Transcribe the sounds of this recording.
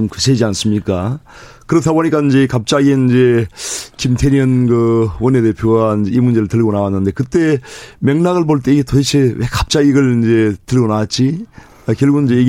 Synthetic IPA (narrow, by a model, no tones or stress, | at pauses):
omkɯsʰed͡ʑians͈ɯmɲik͈a | kɯɾʌt̪ʰaboɲik͈aind͡ʑe̞kap̚t͡ɕ͈aɡinind͡ʑe̞kimtʰeniʌnɡɯwʌnede̞pʰjoɡaind͡ʑe̞imund͡ʑe̞ɾɯɭtɯɭɡonawanːɯnde̞kɯt̪͈e̞meŋnaɣɯɭpoɭt͈e̞ietʰoit͡ɕʰewekap̚t͡ɕ͈aɡiɡɯɭind͡ʑe̞tɯɭɡonawat̚t͡ɕ͈i | akjʌɭɡuind͡ʑei